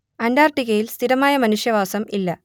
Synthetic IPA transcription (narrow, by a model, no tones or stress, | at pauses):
ɐɳɖaːrʈːiɣɐjilst̪ʰiɾɐmaːjɐmɐnuʂjɐʋaːsɐmilːɐ